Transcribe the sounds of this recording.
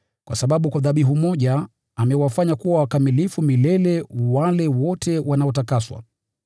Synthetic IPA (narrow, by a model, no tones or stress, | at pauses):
kwasaɓaɓukwaðaɓiɦumɔʄaː | mɛwafaɲakuwawakamilifumilɛlɛwalɛwɔtʰɛwanaɔtakaswa̰